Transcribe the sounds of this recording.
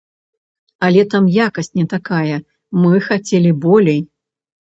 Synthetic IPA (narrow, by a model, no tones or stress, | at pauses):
ɐlʲɛt̪amjakɐsʲt͡sʲnʲɛt̪akajɐ | mɨxat͡sʲɛlʲibɔlʲej